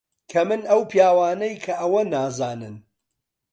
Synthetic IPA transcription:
kʰɐmɨnɐwpʰjaːwaːnɐjkʰɐʔɐwɐnaːzaːnɨn

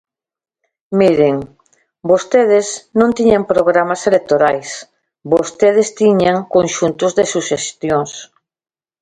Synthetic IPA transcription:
miɾeŋ | bost̪eðɪsnõnt̪iɲampɾoɣɾamaselek̚t̪oɾajs | bost̪eð̞ɪst̪iɲaŋkonʃunt̪ʊzðesuʃest̪joŋs

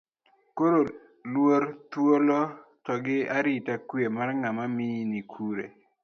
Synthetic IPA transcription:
koɾo | lwoɾt̪wolotɔɡɪaɾitakwemarŋamaminikʰuɾḛ

